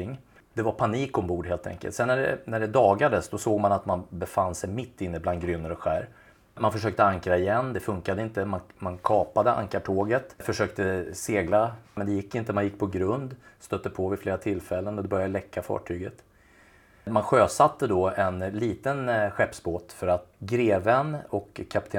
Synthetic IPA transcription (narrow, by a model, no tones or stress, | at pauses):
ɪŋː | d̪ɛvaɾpʰaniːkɔmbuːɖɦeːlt̪ʰɛ̰ŋkəlt̪sɛnːæɖɛ̰næɖɛd̪ɑːɡad̪əsd̪ɔsoːɡmanat̪manbɛfanːsɛjmɪt̪ʰːɪnːəbland̪ɡɾyːnːəɾɔɧæːɾ | manfœʂøːk̚t̪əaŋkɾaɪjɛnːd̪ɛfɵŋkad̪əɪnt̪əmanmankʰɑːpad̪əʔa̰ŋkaʈʰoːɡət̪fœʂøːk̚t̪əseːɡlamɛnd̪ɛjɪkːɪnt̪əmanjɪkːpʰɔɡɾɵnd̪st̪œt̪ːəpʰɔvɪfleːɾat̪ʰɪlfɛlːənɔd̪ɛbœɾjad̪əlɛkːafɑ̰ːʈʰyːɡət̪ | manɧøːsat̪ːəd̪ɔɛnliːt̪ənɧɛpːsboːt̪fœɾat̪ɡɾeːvənɔkʰːapt̪ʰeː